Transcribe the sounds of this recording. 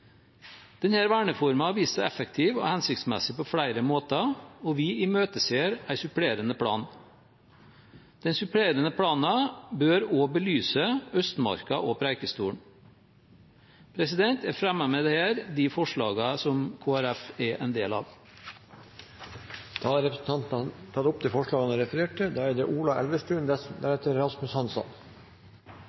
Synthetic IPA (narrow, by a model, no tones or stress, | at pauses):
d̪̥ɛnhæːɾʋæːɳəfɔɾmɑʋiːssɑɛfəkt̪ʰiːʋo̰ːhɛnsɪk̚t̪smɛ̰sɪpʰoːfɽæɪɾəmoːt̪ɑoːʋɪiːmøːt̪əseːɾæɪsʉpɽeːɾənəpʰɽɑ̰ːn | d̪̥ɛnsʉpɽeːɾənəpʰɽɑːnɑbøːɾoːbəlyːsəœst̪mɑ̰ɾkɑʔoːpʰɾæɪkəst̪uːɳ | pʰɾɛsɪd̪ɛnt̪ɛfɾɛmːɑmɛd̪ɛhæːɾd̪ifɔʂɭɑ̰ːɡɑsɔmkʰoːæɾæfɛʔɛ̰nd̪ḛːlɑ̰ːʋ | d̪̥ɑːɾɛpɾəsn̩t̪ʰɑnt̪nɑt̪ʰɑt̪ʊp̚t̪ʰɪlfɔʂɭɑːɡɑnəɾɛfəɾeːʈʈɪd̪ɑːæɖ̪ɛʔuːlɑʔɛlʋəʂʈʉːnd̪æɾheːt̪əɾɾɑsmʉshɑnsɑ̰n